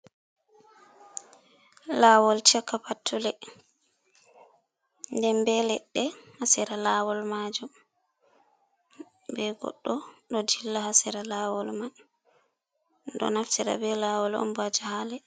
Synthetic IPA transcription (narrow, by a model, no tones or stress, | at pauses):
laːwɔlt͡ʃɛkːapatʰːulɛ | ndɛmbɛlɛɗːɛhasiɾalaːwɔlmad͡ʒum | bɛɡɔ̰ɗːɔɗɔdilːahasiɾalaːwɔlman | ɗɔ̰naftiɾa̰bɛlawɔlɔ̰mbad͡ʒahalɛ